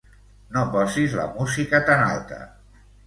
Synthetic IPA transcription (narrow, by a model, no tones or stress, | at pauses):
nopɔzizlə̰muzikət̪ana̰lˠt̪ə̰